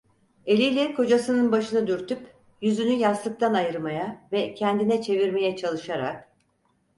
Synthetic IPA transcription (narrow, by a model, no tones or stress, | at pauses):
e̞lʲijlʲɛkʰo̞d͡ʒasɯnɯnbaʃɯnɯd̪yɾt̪ʰyp | jyzynyjaslˠɯk̚t̪ʰanajɯɾmajavɛcʰɛnd̪inɛt͡ʃʰe̞viɾme̞jɛt͡ʃʰalˠɯʃaɾa̰k̚